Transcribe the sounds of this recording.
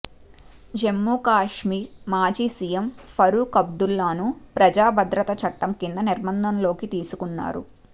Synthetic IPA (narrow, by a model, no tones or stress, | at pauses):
d͡ʒemːuːkaːʂmiːɾmaːd͡ʒiːsijempʰɐɾuːkɐbd̪ulːaːnupɾɐd͡ʒaːbʱɐd̪ɾɐt̪ɐt͡ʃɐʈːɐmkind̪ɐniɾmɐnd̪ʱɐnlo̞ːkit̪iːsukunːa̰ːɾṵ